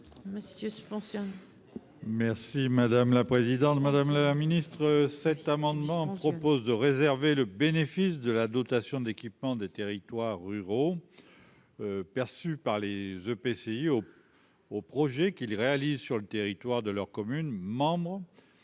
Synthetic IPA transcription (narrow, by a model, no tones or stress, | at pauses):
məsjøsy̥pɑ̃sjɔ̃ | mɛʁsimad̪amlapχezid̪ɑ̃t̪mad̪amlaminist̪χəsɛt̪amɑ̃d̪mɑ̃pχɔpozd̪əʁezɛʁveləbenefisd̪əlad̪ɔt̪asjɔ̃d̪ekʲipmɑ̃d̪et̪eʁit̪waʁːyʁo | pɛʁsypaʁlezøpeseio | opχɔʒɛkilʁealizsyʁlət̪eʁit̪waʁd̪əlœʁkɔmynmɑ̃bʁ